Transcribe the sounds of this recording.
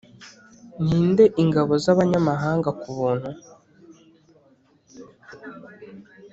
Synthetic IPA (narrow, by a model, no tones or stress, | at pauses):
n̥hiːnde̞ʔiŋɡaβo̞zaβaɲamaɦaːŋɡakuβuːn̥hu